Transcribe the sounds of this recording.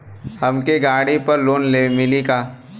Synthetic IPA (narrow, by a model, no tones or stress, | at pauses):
hɐmkeɡaːɽipɐɾloːnleːmɪlikaː